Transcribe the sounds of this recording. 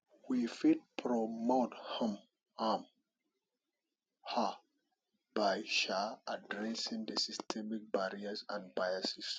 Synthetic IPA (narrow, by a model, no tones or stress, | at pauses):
wifit̚pʰɹɔmothãm | am | ha | b̥ajʃaadɹɛsĩŋdəsistʰɛmik̚baɹiasã̰nbajasis